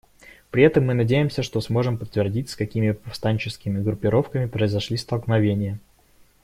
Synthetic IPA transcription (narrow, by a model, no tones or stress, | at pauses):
pɾʲɪɛt̪əmːɨnɐdʲejɪmsʲəʂt̪o̞smo̞ʐɨmpət̪ːvʲɪrdʲitʲskɐkʲimʲɪpɐfst̪anʲt͡ɕɪskʲɪmʲɪɡɾʊpʲːɪɾo̞fkəmʲɪpɾəɪzɐʂlʲist̪əlˠknɐvʲenʲɪjə